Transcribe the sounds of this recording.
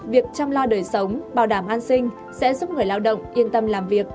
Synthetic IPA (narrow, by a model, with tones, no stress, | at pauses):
vi˨˩ək̚t͡ɕɔ˧ŋ͡mlɔ˧ɗəː˨˩jsə˨˦wŋ͡mɓaː˨˧˩wɗaː˧˩mʔaː˧nsï˧ŋ̟ | sɛ̰˧˥zu˦˥p̚ŋɨ˨˩əjlaː˧wɗə̰˧˨wŋ͡mʔi˧ənt̪ə˧mlaː˨˩mvi˨˩ək̚